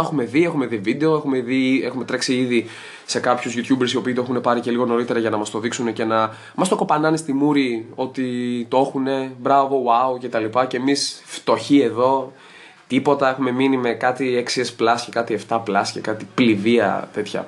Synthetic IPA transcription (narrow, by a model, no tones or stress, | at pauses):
exume̞ðie̞xume̞ðivid̪e̞o̞exumeðie̞xume̞t̪ɾeksiiði | se̞kɐpçuzʝut̪çubeɾsio̞piːt̪oe̞xune̞pɐɾice̞liɣo̞no̞ɾit̪e̞ɾɐʝɐnɐmɐst̪o̞ðiksune̞ce̞nɐ | mɐst̪o̞ko̞pɐnɐnist̪imuɾio̞t̪it̪oexune̞bɾɐvo̞wauce̞t̪ɐlipɐce̞ːmisft̪oçie̞ðo̞ | t̪ipo̞t̪ɐe̞xume̞minime̞kɐt̪ieksiesplɐscekɐt̪ie̞ft̪ɐplɐscekɐt̪ipliviɐ̰t̪e̞t̪çɐ̰